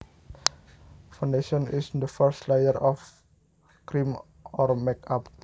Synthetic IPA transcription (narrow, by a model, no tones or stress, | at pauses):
fãwndeʃɔnisd̪əfəɾstlajəɾɔf | kɾim | ɔrmɛkap